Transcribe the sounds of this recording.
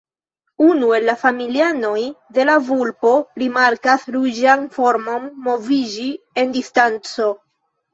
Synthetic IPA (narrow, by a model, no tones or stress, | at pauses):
unue̞lːafamiliano̞jd̪e̞lavulpo̞ɾimaɾkasɾud͡ʒanfo̞ɾmo̞mːo̞vid͡ʒi | e̞ndistant͡so̞